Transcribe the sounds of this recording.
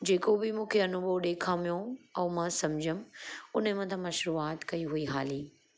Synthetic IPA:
d͡ʑeːkobɪmũːkʰeɐnuboɗeːkʰãːmijõɐːmãsɐmd͡ʑʱʊmʊnmɐ̃t̪ʰãmɐ̃ʃʊɾuːaːt̪kɐiɦuiɦaːliː

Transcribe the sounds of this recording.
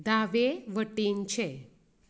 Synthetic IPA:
d̪aʋeʋəʈint͡ʃʰe

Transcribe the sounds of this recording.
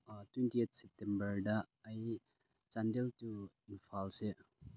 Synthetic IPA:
twentiet̪̚ʰsep̚tembəɾdaːj | t͡ʃandeltu | inpʰalse

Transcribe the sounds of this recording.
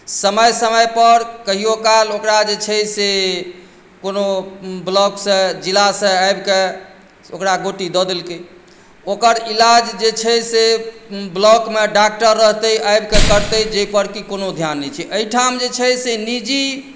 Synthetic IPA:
səməjsəməjpəɾkəɦiokalokɾad͡ʒet͡ʃʰəse | konoblɔksə̃d͡ʒilasə̃ajbke | okɾaɡoʈid̪ɔd̪elke | okəɾilad͡ʒd͡ʒet͡ʃʰɛseblɔkmeɖak̚ʈəɾːəɦt̪əjajbkekəɾt̪əjd͡ʒəipəɾkikonod̪ʱjanːɛt͡ʃʰɛʔəiʈʰamd͡ʒet͡ʃʰɛsenid͡ʒi

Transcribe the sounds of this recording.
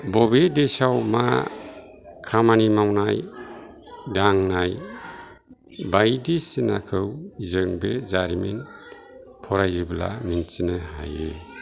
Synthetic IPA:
bɔbedesawma | kʰamanimawnaj | daŋnaj | bajdisina̰kʰɯwzɯŋbezaɾimin | pʰɔɾajɯbla̰minsinɯɦa̰jḛ

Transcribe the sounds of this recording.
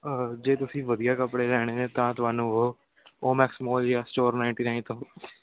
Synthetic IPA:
əd͡ʒeːt̪ʊsĩːʋəd̪ijaːkəpɽeːlɛːɽ̃eːneːt̪ãːt̪ʊaːnũːo | oːmɛːksɪmoːljaːsʈoːɾnaːɪɳʈiːnaːɪnt̪õ

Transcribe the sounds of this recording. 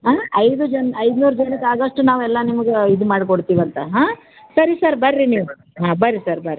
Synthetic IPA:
ɦaːɐjd̪ud͡ʒɐnɐjd̪nuːɾd͡ʒɐnikaːɡɐʂʈunaːʋɛlːɐnimɐɡeid̪umaːɽkoɽt̪iːʋɐnt̪ɐɦaː | sɐɾisɐɾbɐɾːiniːʋu | ɦaːbɐɾisɐɾbɐɾi

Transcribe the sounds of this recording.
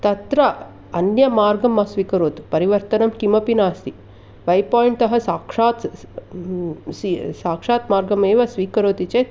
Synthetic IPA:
t̪ɐt̪ɾɐ | ɐnjɐmaːɾɡɐmːɐsʋiːkɐɾoːt̪pɐɾiʋɐɾt̪ɐnɐmkimɐpinaːst̪i | ʋɐjpaːjiɳʈ̪ɐɦɐsaːkʂaːt̪ | sisaːkʂaːt̪maːɾɡɐmeːʋɐsʋiːkɐɾoːt̪it͡ʃe

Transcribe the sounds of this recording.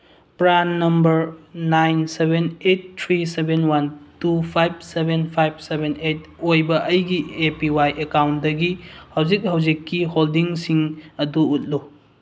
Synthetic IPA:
pɾanːɐmbɐɾnajnsebʱenetːʰɾisebʱenwantupʰajb̚sebʱenpʰajb̚sebʱenet̚ojbɐʔɐjɡiepiwajʔekawntdɐɡihawzik̚hawzikːiholdiŋsiŋɐduːt̚lu

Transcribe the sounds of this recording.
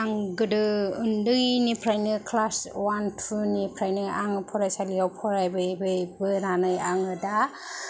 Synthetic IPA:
aŋɡɯdɯɯndɯjnipʰɾajnɯkʰlaswantʰunipʰɾajnɯʔa̰ŋɯpʰɔɾajsalijawpʰɔɾajbɯbɯjbɯɾanɯjaŋɯda

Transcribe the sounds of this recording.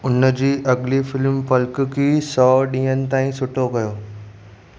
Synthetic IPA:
ʊnə̆d͡ʑiːʔɐɡɪlifɪlmpɐlk̆kʰiːsɔːɗĩːɦənɪ̆t̪aːĩsʊʈʰokɐjoː

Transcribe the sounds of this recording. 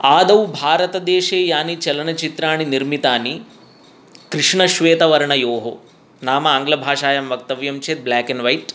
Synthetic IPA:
aːd̪ɐʋbʱaːɾɐt̪ɐd̪eːʃeːjaːnit͡ʃɐlɐnɐt͡ʃit̪ɾaːɳiniɾmit̪aːni | kɾɪʂɳɐʃʋeːt̪ɐʋɐɾɐɳɐjoːɦo | naːmɐːŋɡlɐbʱaːʂaːjɐmʋɐk̚t̪ɐʋjɐmt͡ʃʰeːt̪̚blaːkenʋɐjʈ

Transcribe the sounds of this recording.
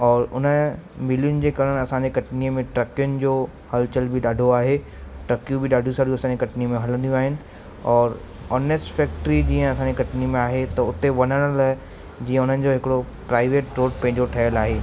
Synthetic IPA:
ɔːɾʊnə̆mɪlijʊnɪ̆d͡ʑeːkɐɾəɽ̃ɐsãɲd͡ʑekɐʈniəmẽʈɾɐkjʊnɪ̆d͡ʑoː | hɐlt͡ɕəlbʱiɗaːɖʱoaːɦe | ʈɾɐkijũbʱɪɗaːɖʱjũsaːɾijuɐsãːɲd͡ʑekɐʈnimẽɦɐlə̃nd̪ijũaːɦɪnɪ̆ | ɔːɾ | ɔːneːsʈfɛːk̚ʈɾid͡ʑiːə̃ɐsãɲd͡ʑekɐʈnimẽaːɦet̪ɐʊt̪eʋɐnəɽ̃əl | d͡ʑiːə̃ʊn̤ənɪ̆d͡ʑoɦɪkɽo | pɾaːɪʋeːʈɾoːɖpɐ̃ɦɪ̃ɲd͡ʑoʈʰɐjəlaːɦeː

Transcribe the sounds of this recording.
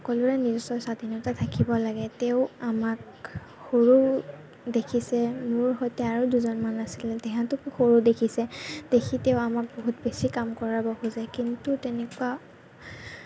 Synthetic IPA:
ɔkɔlʊɹɛnizɔsɔjsadʱinɔtatʰakibɔlaɡɛtɛʊamak̚ | xoɹuɹ | dekʰisɛmʊɹɦɔjtɛaɹuduzɔnmanasilɛtɛɦãtʊkxoɹudekʰisɛd̥ekʰitɛʊamak̚boɦutbesikamkɔɹabɔhuzajkintutɛnɛkuwa

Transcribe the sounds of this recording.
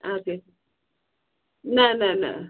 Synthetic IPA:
oke | nanãnã̰

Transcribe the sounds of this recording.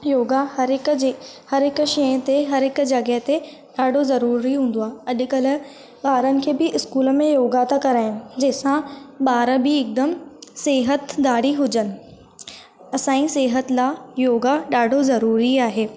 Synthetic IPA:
joːɡahɐɾɪkd͡ʑehɐɾɦɪkʃɐ̃t̪eɦɐɾɦɪkd͡ʑɐɡəɦt̪e | ɗaːɖʱozɐɾuːɾiɦũːn̆d̪oaːɐʄkɐlʊ̆ | ɓaːɾənɪ̆kʰeːbɪʔɪskuːlmẽjoːɡaːt̪akɐɾaːɦɪnɪ̆d͡ʑɐːsãɓaːɾəbiɪk̚d̪əmseːɦət̪d̪aːɽiɦʊd͡ʑənɪ̆ | ɐsãːĩseːɦət̪laːjoːɡaɗaːɖʱozɐɾuːɾiaːɦeː

